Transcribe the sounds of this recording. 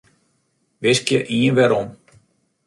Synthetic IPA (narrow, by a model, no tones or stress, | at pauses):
ʋɪskjəʔiənʋɛɾɔm